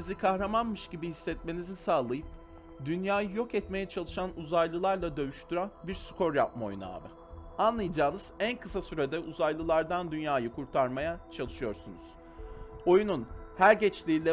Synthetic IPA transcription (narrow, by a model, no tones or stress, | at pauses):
zikʰaxɾamanmɯʃɟibihisːɛt̪me̞nizisaːlˠajɯp̚ | d̪ynjaːjɯjo̞kɛt̪me̞jɛt͡ʃʰalˠɯʃanuzajlˠɯlˠaɾlˠad̪ø̞jyʃt̪ʰyɾanbiɾsu̥kʰo̞ɾjap̚maojuna̰ːvɯ | anlˠajd͡ʒaːnɯz̥ænkʰɯsasyɾed̪ɛʔuzajlˠɯlˠaɾd̪and̪ynjaːjɯkʰuɾt̪ʰaɾmajat͡ʃʰalˠɯʃɯjo̞ɾsunuz̥ | o̞jununhæɾɟɛt͡ʃlʲiːlʲɛ